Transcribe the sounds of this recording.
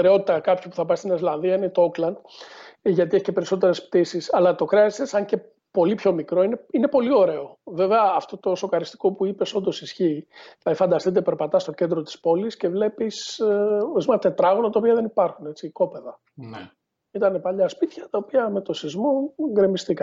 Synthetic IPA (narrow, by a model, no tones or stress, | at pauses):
eɾeo̞t̪it̪ɐkɐpçipuθɐpɐst̪ineslɐnðiɐine̞t̪ooklɐnd̪ | ʝɐt̪ieçicepe̞ɾiso̞t̪̬e̞ɾe̞sp̚t̪isisɐlɐt̪o̞kɾeɐsesɐɲce̞ | po̞lipço̞mikɾo̞ineine̞po̞lio̞ɾe̞o̞ve̞ve̞ɐːft̪o̞t̪o̞so̞kɐɾist̪i̥ko̞puipe̞so̞nd̪o̞sisçiːθɐefɐnd̪ɐst̪it̪̬epe̞ɾpɐt̪ɐst̪o̞ce̞nd̪ɾot̪i̥spo̞lisce̞vle̞pis | ezimɐt̪et̪ɾɐɣonɐt̪ɐopiɐðe̞nipɐɾxune̞t͡siko̞pe̞ðɐ | n | it̪ɐne̞pɐʎɐspit̪çɐt̪ɐopiɐme̞t̪o̞sizmoɡɾemist̪ikɐn